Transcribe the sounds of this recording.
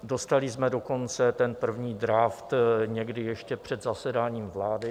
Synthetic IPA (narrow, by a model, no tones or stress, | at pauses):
do̞st̪alɪzmɛdo̞ko̞nt͡sɛt̪ɛnpr̩vɲiːd̪ɾaft̪ɲɛɡdɪjɛʃcɛpr̝̥ɛd̪zasɛdaːɲiːmvlaːdɪ